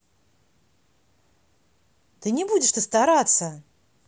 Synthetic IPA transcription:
t̪ɨnʲɪbudʲɪʂt̪əst̪ɐɾat̪sə

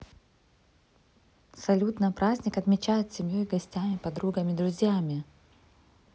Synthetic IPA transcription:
sɐlʲut̪nəpɾazʲnʲɪkɐt̪mʲɪt͡ɕæjɪt̪sʲɪmʲjojɡɐsʲtʲamʲɪpɐd̪ɾuɡəmʲɪd̪ɾʊzʲjamʲɪ

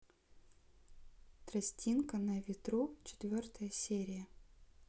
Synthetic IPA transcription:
t̪ɾɐsʲtʲinkənəvʲɪt̪ɾut͡ɕɪ̥t̪vʲo̞rt̪əjəsʲeɾʲɪjə

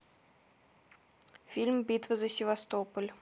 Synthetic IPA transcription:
fʲilʲmbʲit̪vəzəsʲɪvast̪opəlʲ

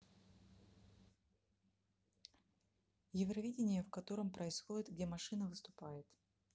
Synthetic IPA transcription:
jɪvɾɐvʲidʲɪnʲɪjəfkɐt̪o̞ɾəmpɾəɪsxo̞dʲɪt̪ɡdʲemɐʂɨnəvɨst̪ʊ̥pajɪt̪

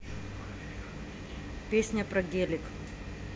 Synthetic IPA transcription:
pʲesʲnʲɐpɾɐɡʲelʲɪk

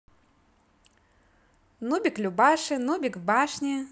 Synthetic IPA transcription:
nubʲiklʲubaʂɨnubʲikvbaʂnʲi

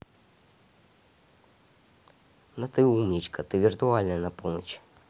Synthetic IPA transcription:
nɐt̪ɨumnʲit͡ɕkɐt̪ɨvʲirt̪ualʲnɐnɐpɔnət͡ɕ

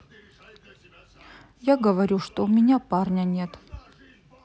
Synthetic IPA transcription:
jaɡəvɐɾʲuʂt̪oʊmʲɪnʲaparnʲənʲet̪

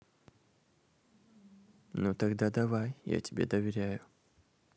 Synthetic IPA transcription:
not̪ɐɡd̪ad̪ɐvajja̰tʲɪbʲed̪əvʲɪɾʲæjʊ

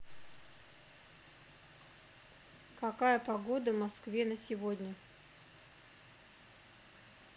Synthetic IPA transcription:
kɐkajəpɐɡo̞d̪əvmɐskvʲenəsʲɪvodʲnʲə

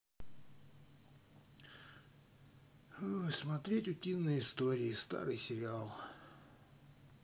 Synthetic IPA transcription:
smɐt̪ɾʲetʲʊtʲinːəjɪst̪o̞ɾʲɪɪst̪a̰ɾɨjsʲɪɾʲɪalˠ

